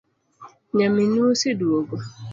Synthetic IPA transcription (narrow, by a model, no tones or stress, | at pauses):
ɲeminusiduoɡo